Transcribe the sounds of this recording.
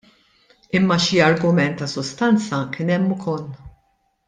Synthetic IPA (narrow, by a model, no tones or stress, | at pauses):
ɪmːɐʃiɐɾɡʊmɛnt̪ːɐsʊst̪ɐnt͡sɐkɪnɛmːʊkʰɔlː